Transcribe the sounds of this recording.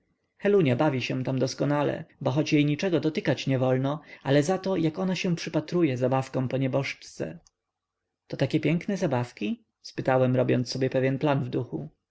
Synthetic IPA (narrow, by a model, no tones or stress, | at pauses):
xɛluɲabavʲiɕɛ̃t̪amd̪ɔskɔnalɛ̰bɔxɔt͡ɕjejɲit͡ʂɛɡɔd̪ɔt̪ɘkat͡ɕɲɛvɔlnɔʔalɛzat̪ɔjakɔnaɕɛ̃pʂɘpat̪ɾujɛzabafkɔ̃pɔɲɛbɔʂt͡ʂt̪sɛ̰ | t̪ɔt̪akʲɛpʲjɛŋknɛzabafkʲi | spɘt̪awɛmɾɔbʲjɔ̰ntsːɔbʲjɛpɛvʲjɛnplanvd̪uxu